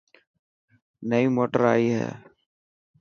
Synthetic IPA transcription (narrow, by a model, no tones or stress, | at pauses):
nəimoːʈəɾaːiɦɛ̰ː